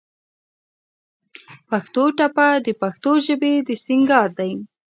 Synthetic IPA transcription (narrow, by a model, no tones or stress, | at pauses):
paxt̪oʈapad̪əpaxt̪oʒəbed̪əsiŋɡɑɾd̪aj